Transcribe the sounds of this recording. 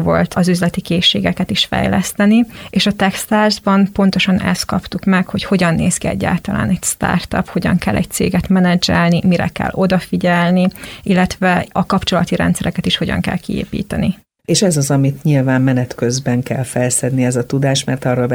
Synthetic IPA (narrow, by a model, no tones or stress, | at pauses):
vo̞lt̪ɒzyzlɛt̪ikeːʃːeːɡɛkɛt̪iʃfɛ̰jlɛst̪ɛnieːʃɒt̪ɛkst̪aːrzbɒmpo̞n̪t̪o̞ʃɒnɛ̰st̪̚kɒpt̪ukmɛkho̞cho̞ɟɒnːeːskiɛ̰ɟːa̰ːlt̪ɒla̰ːnɛcst̪a̰ːrt̪ɒ̰pho̞ɟɒ̰ŋkɛlːʔɛ̰c̚t̪sḛːɡɛt̪mɛnɛd͡ʒɛlnimiɾɛ̰kɛ̰lːo̞d̪ɒfiɟɛlniilːɛt̪ʋɛɒkɒpt͡ʃo̞lɒt̪iɾɛ̰nt̪sɛɾɛkɛt̪iʃho̞ɟɒ̰ŋkɛ̰lkḭḛːpḭːt̪ɛni | eːʃɛzɒzɒmit̪ɲilvaːmmɛnɛt̪køzbɛŋkɛlfɛlsɛd̪niɛzɒt̪ud̪aːʃmɛrt̪ɒrolb